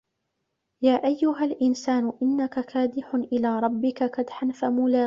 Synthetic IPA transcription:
jaːʔajːʊɦalʔɪnsaːnʊʔɪnːakakaːd̪ɪħʊnʔɪlaːɾˤɑbːɪkakad̪ħanfamʊlaː

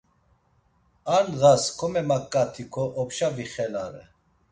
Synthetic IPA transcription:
aɾnɣaskʰɔmɛmakʼːat̪ʰikʰɔʔɔpʃaviχɛlaɾɛ

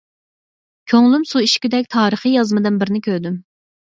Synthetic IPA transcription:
kʲʰøŋlˠymsuiʃkʲyd̪ɛk̚ʲt̪ʰɑːɾəχijɑzmɨd̪ɨnbɪɾnɪkʲʰøɾd̪ym

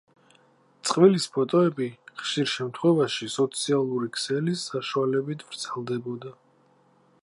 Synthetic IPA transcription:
t̪sʼqʼvilispʰɔt̪ʼɔɛbiχʃiɾʃɛmt̪ʰχwɛvaʃisɔt̪sʰialˠuɾikʰsɛlisaʃualɛbit̪ʰvɾt̪zɛlˠd̪ɛbɔd̪a

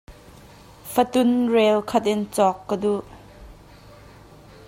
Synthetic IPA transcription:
fət̪ʊnrɛlkʰɐt̪̚ʔɪnt͡sɔkːəduʔ

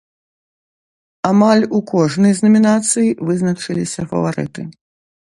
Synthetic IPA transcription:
amalʲukɔʐnɨjzʲnɐmʲinat̪sɨjivɨznɐt͡ʂɨlʲisʲɐfɐ̰vaɾɨ̰t̪ɨ

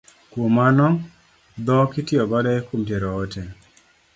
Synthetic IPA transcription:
kwomanɔ | d̪ɔkɪtɪɔbadaekumtjeɾɔːtɛ

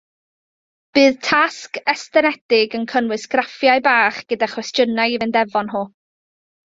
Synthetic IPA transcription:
b̥ɨːðtʰaskɛstɛnɛtɪɡənkʰənwɪsɡ̥rafjajbaːχɡ̥ədaχwɛstjənajivɨndɛvɔnɦoː

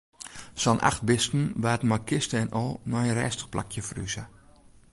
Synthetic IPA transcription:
sɔnʔa̰xt̚bɪstn̩ʋaːtmakɪstəɛnɔlˠnɔənrɛ̰ːstə̥xplʔa̰kʰjəfry̰zə

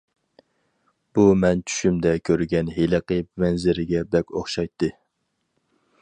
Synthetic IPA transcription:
b̥umɛnt͡ʃʰy̥ʃymd̪ɛkʲʰøɾɡʲɛnɦeləqəmɛnzɪɾɪɡʲɛbɛkʲoχʃɑjt̪ʰːɨ

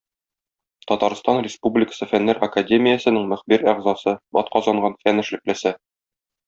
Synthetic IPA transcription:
t̪ɒt̪ɑɾst̪ɑnrʲɪspublʲɪkə̥sɤfænːæɾʔɐkadʲemʲɪjəsɘ̆nɘŋmɵ̆χbiɾɑʁzɑsɤbɒ̰t̪̚qɒzɑɴɢɑnfænɘ̆ʃlɘ̆klɘ̆sɘ

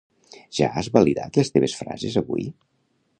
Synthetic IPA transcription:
ʒ̥aazβəliða̰t̪lest̪eβ̞esfɾa̰zezəβuj

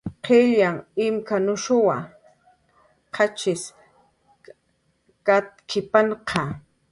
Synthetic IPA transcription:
qʰeʎaŋɪmkanʊʃʊwa | qʰat͡ʃɪs | kat̪kʰɪpaɴqʰɑ

